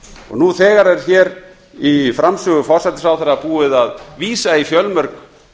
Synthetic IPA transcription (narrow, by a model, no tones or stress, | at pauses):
ɔ̰ɣnuθɛːɣaɾɛɾ̥çɛːɾ | ifɾamsʏːɣʏfɔɾ̥sat̪ɪsawθɛɾapuːɪðaðviːsaifjœlmœɾk